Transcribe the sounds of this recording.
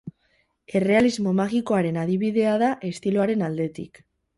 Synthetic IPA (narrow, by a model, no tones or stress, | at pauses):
e̞re̞alizmo̞maɣiko̞aɾe̞naðiβiðe̞aðaʔe̞st̪iloaɾe̞nald̪e̞t̪ḭk